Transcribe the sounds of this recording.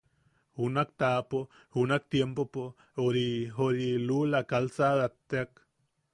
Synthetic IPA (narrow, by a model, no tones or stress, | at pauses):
hunak̚t̪apo | hunak̚t̪jempopo | oɾiɦoɾilulakalsaðat̪ːeak